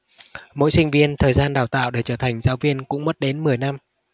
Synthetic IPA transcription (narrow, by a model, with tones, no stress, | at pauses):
mo̰˧˥jsï˧ŋ̟vi˧ənt̪ʰəː˨˩jzaː˧nɗaː˨˩wt̪a̰ː˧˨wɗe˧˩t͡ɕəː˧˩t̪ʰa˨˩jŋ̟zaː˨˦wvi˧ənkʊ̰˧˥ŋ͡mmə˦˥t̚ɗe˨˦nmɨ˨˩əjna˧m